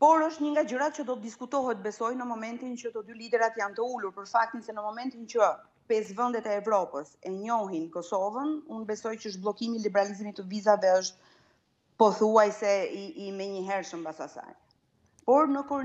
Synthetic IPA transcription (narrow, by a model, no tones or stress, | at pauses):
pɔɾəʃt̪ɲəŋɡad͡ʑəɾat̪t͡ʃəd̪ɔt̪d̪iskut̪ɔɦɛt̪̚bɛsɔjnəmɔmɛnt̪int͡ʃət̪əd̪ylid̪ɛɾat̪jant̪əuluɾpəɾfak̚t̪insɛnəmɔmɛnt̪int͡ʃə | pɛsvɛnd̪ɛt̪ɛːvɾɔpəsɛɲɔɦinkɔsɔvənunbɛsɔjt͡ɕəəʃt̪̚blˠɔkimilibɛɾalizimit̪ːəvizavɛəʃt̪̚ | pɔθuajsɛiimɛɲəɦɛɾʃəmbasasa̰j | pɔɾnəkuɾ